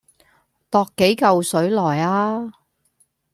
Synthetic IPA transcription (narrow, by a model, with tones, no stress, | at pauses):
t̪ɔː˧kːe˨˥jkɐ˨˧wsɵ˨˥ɥlɔː˨˩jaː˧